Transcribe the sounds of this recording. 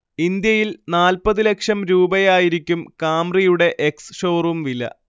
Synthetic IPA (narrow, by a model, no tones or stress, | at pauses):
ind̪jɐjilnaːlpɐðɨlekʂɐmɾuːbɐjaːjiɾikʲːumkaːmrijuɽe̞ʔeksʂo̞ːrumʋilːɐ̰